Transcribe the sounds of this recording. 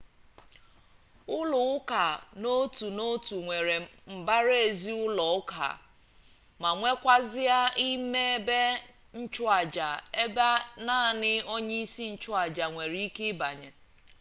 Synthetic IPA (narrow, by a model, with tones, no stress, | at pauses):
ʊ˦lʊ˨ʊ˦ka˨no˦tu˨no˦tu˨ŋʷe˨ɾe˨m̩˨ba˦ɾe˦e˨zi˦ʊ˦lɔ˨ʊ˦ka̰˨ | ma˨ŋʷe˦kʷa˦zɪ˦a˦i˦me˦e˦be˦ | n̩˦t͡ʃʊ˦a˨d͡ʒa˨e˦ba˦na˦˨nɪ˦o˦ɲe˦i˦si˦n̩˦t͡ʃʊ˦a˨d͡ʒa˨ŋʷe˨ɾi˦i˦ke˦ba˨ɲe˨